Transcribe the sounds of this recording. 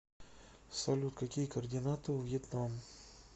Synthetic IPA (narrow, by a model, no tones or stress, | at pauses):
sɐlʲut̪̚kakʲijəkərdʲɪnat̪ɨvjɪt̪nam